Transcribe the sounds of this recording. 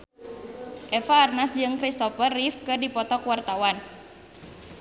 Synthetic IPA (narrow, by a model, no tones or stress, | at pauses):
ʔɛfaːrnasd͡ʒɨŋkɾist̪ɔfərːifkɨrdipɔt̪ɔkwart̪awan